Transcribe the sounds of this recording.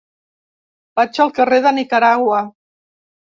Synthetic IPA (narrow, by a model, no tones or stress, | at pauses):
b̥at͡ʃəlˠkəreðənikəɾaɣwə